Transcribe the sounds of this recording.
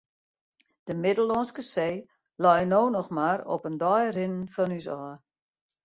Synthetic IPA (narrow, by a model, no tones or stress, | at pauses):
d̥əmɪdəlˠɔnskəseː | lɔjnoːnɔxmaːɾɔ̰pəndɔjrɪnən̩fɔnysɔː